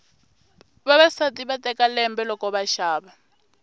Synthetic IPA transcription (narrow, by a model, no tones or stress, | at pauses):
βaβasatiβatɛkalɛmbɛlɔkɔβaʃaːβa